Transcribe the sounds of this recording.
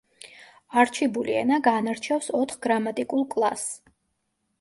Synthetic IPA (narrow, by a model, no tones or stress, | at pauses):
aɾt͡ʃʰibuliɛ̰naɡanaɾt͡ʃʰɛfsɔt̪ʰχɡɾamat̪ʼikʼulˠkʼlˠa̰s